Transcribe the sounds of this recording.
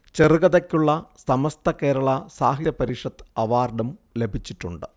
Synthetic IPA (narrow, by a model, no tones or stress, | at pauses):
t͡ɕeruɣɐðɐkʲːuɭːɐsɐmɐst̪ʰɐke̞ːɾɐɭɐsaːɦiɐpɐɾiːʂɐt̪ːɐʋaːrɖɐmle̞bʱit͡ɕːiʈːuɳɖɨ